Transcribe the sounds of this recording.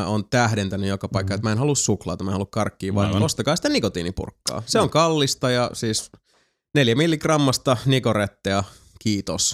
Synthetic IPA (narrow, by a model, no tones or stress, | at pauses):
æont̪æhdent̪ænyjokɑpɑikːɑet̪mæenɦɑlussuklɑːt̪ɑmæenhɑlukkɑrkːiːʋʋɑ̰nost̪ɑkɑːsi̥t̪ænikot̪ḭːnipṵrkːɑ̰ːseoŋkɑlːist̪ɑjɑsiːs | neljæmilːikrɑmːɑst̪ɑnikoret̪ːeɑ | kiːt̪os